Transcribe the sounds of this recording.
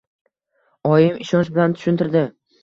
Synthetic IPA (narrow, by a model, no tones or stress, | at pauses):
ɒjɪmɪʃɒnʃbɪlant̪ʰʊ̥ʃʊnt̪ɪɾd̪ɪ